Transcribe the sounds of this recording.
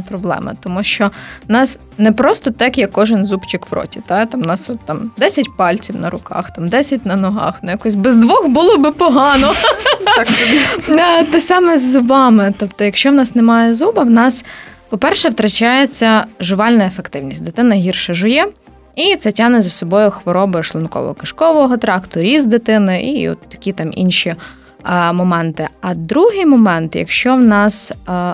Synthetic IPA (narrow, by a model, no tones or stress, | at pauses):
pɾɔblˠɛ̰mɐ̰t̪ɔmuʃt͡ʃɔwnɑs | nɛpɾɔst̪ɔt̪ɛkjɐkːɔʒɪnzupt͡ʃɪkʋɾʔɔ̰tʲit̪ɑt̪ɑmnɑsɔt̪t̪ːɑmd̪ɛsʲɐtʲpɑlʲt͡sʲiwnɐɾʊkɑ̰xt̪ɑmd̪ɛsʲɐtʲnɐnɔɦɑ̰xnjakɔsʲbɛzd̪ʋɔxbulˠɔbɪpɔɦɑnɔ | at̪ɛsɑmɛzʊbɑmɪt̪ɔpt̪ɔjɐkʃt͡ʃɔwnɑsnɛmɑjɛzubɐwnɑspɔpɛrʃɛwt̪ɾɐt͡ʃɑjet͡sʲːɐʒʊʋɑlʲnɐefekt̪ɪwnʲisʲd̪ɪt̪ɪnɐɦʲirʃɐʒʊjɛ | it̪sɛtʲɑnɛzɐsɔbɔjʊxʋɔɾɔbɪʃlˠɔnkɔ̰ʋɔ̰ɦɔ̰kɐʃkɔʋɔɦɔt̪ɾɑkt̪ʊɾʲizd̪ɪt̪ɪnɪʔḭɔ̰t̪ːɐ̥kʲit̪ɑmḭnʃi | mɔmɛnt̪ɪɐd̪ɾuɦɪjmɔmɛnt̪jɐ̰kʃt͡ʃɔwnɑs